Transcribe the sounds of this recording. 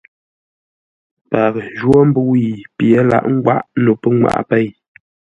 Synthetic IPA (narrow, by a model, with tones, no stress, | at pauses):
pa˨ɣə˨d͡ʒwɔ˦m̩˦bu˦wi˨pje˨˦la̰˨ʔŋ̩˦ɡwa̰˦ʔno˨pə˦ŋwa̰˨ʔpɛ˦˨j